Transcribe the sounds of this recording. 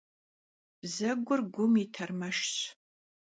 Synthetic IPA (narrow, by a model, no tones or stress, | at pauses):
b̥zɐɡʷʊrɡʷʊmitʰɐrmɐʃɕ